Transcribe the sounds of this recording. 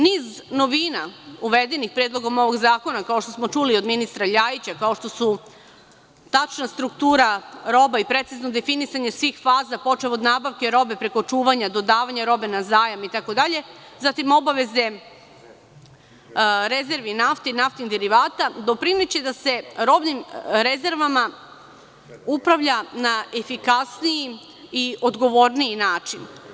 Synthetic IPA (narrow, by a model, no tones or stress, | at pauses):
niːzno̞ʋiːnauʋed̪e̞nixpɾed̪lˠo̞ɡo̞mo̞ʋo̞ɡzaːkonakao̞ʃt̪o̞smo̞t͡ʃulio̞d̪minist̪ɾaʎajit͡ɕakao̞ʃt̪o̞su | t̪at͡ʃnast̪ɾukt̪uːɾaɾo̞baipɾe̞t̪sizno̞d̪e̞finisaɲe̞sʋixfaːzapo̞t͡ʃeo̞d̪naːbaʋke̞ɾo̞be̞pɾe̞ko̞t͡ʃuːʋaɲad̪o̞d̪aːʋaɲaɾo̞be̞nazaːjamit̪ako̞d̪aʎe̞ | zat̪imo̞baʋe̞ze̞ | ɾe̞ze̞ɾʋinaft̪enaft̪nind̪eɾiʋaːt̪ad̪o̞pɾinet͡ɕed̪ase̞ɾo̞bnimɾeze̞ɾʋama | upɾaʋʎanaefikasniji | iʔo̞d̪ɡo̞ʋo̞ɾnijinaːt͡ʃin